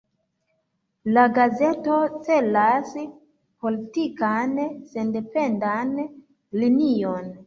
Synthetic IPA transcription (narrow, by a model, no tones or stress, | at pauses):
laɡaze̞to̞t͡se̞las | po̞litikanse̞nde̞pe̞ndan | linion